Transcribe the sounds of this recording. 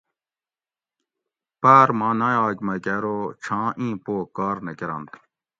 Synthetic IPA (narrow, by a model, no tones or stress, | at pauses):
paːɾmãːnaːjaːkmɐkeɾot͡ɕʰãːʔĩːpoːkaːɾnɐkeɾɐ̰̃nt̪